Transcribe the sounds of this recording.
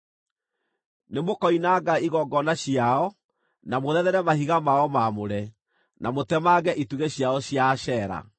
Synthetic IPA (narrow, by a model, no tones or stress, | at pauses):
nemokɔinaɡaiɣɔɡɔnaɕjaɔ | namoðɛðɛɾɛmahiɣamaɔmamoɾɛ | namotɛmaɣɛʔituɣeɕjaɔɕjaʃɛːɾa̰